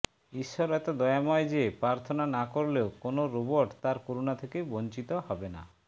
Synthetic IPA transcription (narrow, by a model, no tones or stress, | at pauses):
iʃːɔɾɛt̪od̪ɔjamɔed͡ʒepɾaɾt̪ʰɔnanakoɾleokonoɾuboɾʈt̪aɾkoɾunat̪ʰekejbont͡ʃit̪ɔhɔbena̰